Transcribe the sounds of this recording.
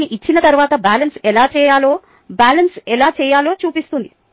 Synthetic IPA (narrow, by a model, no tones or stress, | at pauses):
niʔit͡ʃːinɐt̪ɐɾuʋaːt̪ɐbaːlɐnsɛlaːt͡ʃɛːjaːlo̞ː | baːlɐnsɛlaːt͡ʃɛːjaːlo̞ːt͡ʃuːpist̪und̪i